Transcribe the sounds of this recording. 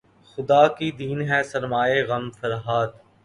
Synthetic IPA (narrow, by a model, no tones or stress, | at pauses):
xʊd̪aːkid̪iːnɦɛːsɐɾmaːeɣɐmfɐɾɦaːd̪